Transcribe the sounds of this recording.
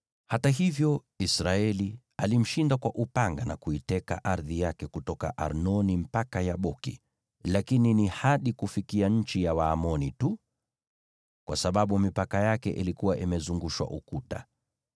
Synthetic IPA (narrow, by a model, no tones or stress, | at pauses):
hataɦivjɔ | isɾaɛli | alim̩ʃindakwaʔupaŋɡanakuitɛka̰ʔaɾðijakɛkutɔka̰ʔa̰ɾnɔnim̩pakajaɓɔkḭ | lakininihaɗikufikiaɲ̩t͡ʃijawaːmɔnitu | kwasaɓaɓumipakajakɛ̰ʔilikuwaʔimɛzuŋɡuʃwa̰ʔukuta̰